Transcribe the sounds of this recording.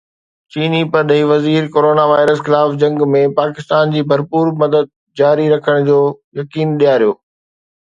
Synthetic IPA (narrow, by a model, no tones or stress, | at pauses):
t͡ɕiːnipɐɾɗɐɦiʋɐziːɾkoːɾoːnaʋaːɪɾəsxɪlaːfd͡ʑɐ̃ŋɡmẽpaːkɪst̪aːnd͡ʑiːbʱɐɾpuːɾmɐd̪əd̪̚ | d͡ʑaːɾiɾɐkʰəɽ̃d͡ʑoːjɐkiːnɗijaːɾijoː